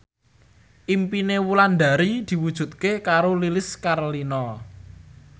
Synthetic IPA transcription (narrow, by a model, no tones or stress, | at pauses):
ʔimpinewuland̪aɾid̪̥i̤wud̥ʒ̥ṳt̪̚kekaɾolilɪskaɾolinɔ